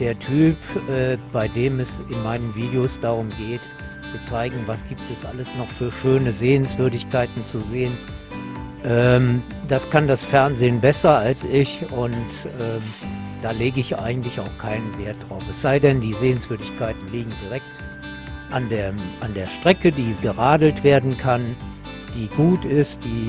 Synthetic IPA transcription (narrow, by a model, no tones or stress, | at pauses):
d̥eːɐtʰyːpʔɛːb̥aɪdeːmɛsɪnmaɪnənviːdeoːsd̥aʁʊmɡeːt | t͡sut͡saɪɡŋ̩vasɡ̥iːp̚tɛsʔa̰ləsnɔχfyːɐʃøːnəzeːənsv̥ʏɐdɪçkʰaɪtn̩t͡suzeːən | ʔɛː | d̥askʰandasfɛɐnzeːənbɛsɐalsɪçʊntʔɛːd̥aːleːɡəɪçʔa̰ɪɡŋ̩tlɪça̰ʊxkʰaɪnənveːɐt̚d̥ʁaʊfɛsz̥aɪdɛndiːzeːənsv̥ʏɐdɪçkʰaɪtn̩liːɡŋ̩diʁ̞ɛk̚t | ʔandeːɐʔandeːɐʃtʁ̥ɛkədiːɡəʁaːdl̩tv̥eːɐdn̩kʰan | d̥iːɡuːtɪstd̥iː